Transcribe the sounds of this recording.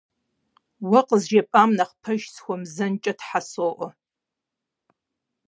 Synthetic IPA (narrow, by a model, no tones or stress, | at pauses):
wɐqəzʒepʼaːmnɐχpʰɐʒsxʷɔmzɐnt͡ʃʼɐtʰħasoʔɔ